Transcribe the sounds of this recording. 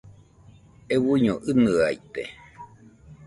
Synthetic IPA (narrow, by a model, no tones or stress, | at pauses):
ewuɲoʔɨnɨait̪ḛ